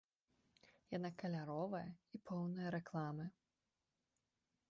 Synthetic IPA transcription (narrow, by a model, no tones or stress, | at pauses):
janakɐlʲaɾɔvɐjɐipʰɔwnɐjɐɾɛklˠamɨ